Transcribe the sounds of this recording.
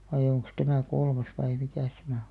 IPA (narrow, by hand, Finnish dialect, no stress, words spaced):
ʋɑij̆ oŋks tæmæˑ kolmɑs ʋɑi mikæˑs tæmæ o